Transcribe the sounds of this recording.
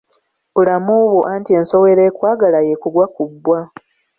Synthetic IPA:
βulamuβwoʔantie̞ːnso̞weɾeːkwaːɡalajekulwakubːwa

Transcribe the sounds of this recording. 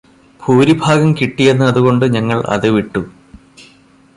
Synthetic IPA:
bʰʱuːɾibʱaːɡɐmkiʈːijenːɨɐðuɣo̞ɳɖɨɲɐŋːɐɭʔɐ̰ðɨʋiʈːu

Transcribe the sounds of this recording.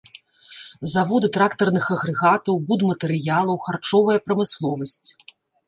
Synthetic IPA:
zavɔd̪ɨt̪ɾakt̪ɐrnɨxɐɣɾɛɣat̪ɐwbud̪mɐt̪ɛɾɨjalˠɐwxart͡ʂɔvɐjɐpɾɐmɨslˠɔvɐsʲt͡sʲ

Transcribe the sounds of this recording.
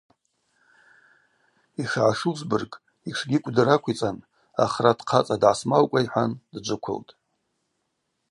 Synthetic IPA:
iʂʕaʂuzbɨrkʼ | iʂɡʲɪkʷʼdɨrakʷʰit͡sʼan | a̰χradʰqʰat͡sʼadʕasmalkʷʼaiħʷandd͡ʒʷɨkʷʰʊ̰ltʼ

